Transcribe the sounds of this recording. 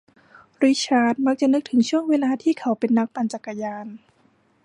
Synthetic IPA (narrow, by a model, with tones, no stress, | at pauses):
ɾi˦˥t͡ɕʰaː˧˥t̪̚ma˦˥k̚t͡ɕa˨˩nɯ˦˥k̚t̪ʰɯ˩˦ŋt͡ɕʰu˥˩əŋweː˧laː˧t̪ʰiː˥˩kʰa˨˩˦wpe˧nːa˦˥k̚pa˧nt͡ɕa˨˩kːa˧jaː˧n